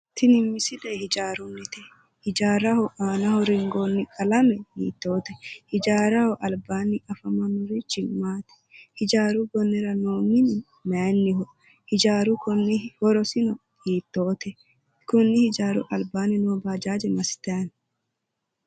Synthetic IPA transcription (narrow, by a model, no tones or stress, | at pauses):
t̪ʰɪnɪmːɪsɪlehɪd͡ʒaːɾʊnːɪt̪ɛ | hɪd͡ʒaːɾɐhɔʔaːnɐhɔɾɪŋɡoːnːɪkʼɐlɐmɛhḭːt̪ːo̞ːt̪ɛhɪd͡ʒaːɾɐhɔʔɐlbaːnːɪʔɐfɐmɐnʊɾɪt͡ʃːɪmaːt̪ɛ̥hɪd͡ʒaːɾʊbɔnːɛɾɐnoːŋɪnɪ | mɛnːɪhɔ | hɪd͡ʒaːɾʊkɔnːɪwɔɾɔsɪnɔ | hiːt̪ːoːt̪ɛ | kʊnːɪhɪd͡ʒaːɾʊ̰ʔɐlbaːnɪnʊbaːd͡ʒaːd͡ʒɛmɐsɪ̥t̪ɐjɐn